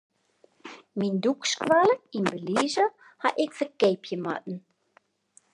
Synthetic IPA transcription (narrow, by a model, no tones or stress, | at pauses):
mindukskʋaləinbəlizə | haʔɛkfəkejpʰjəma̰t̚n̩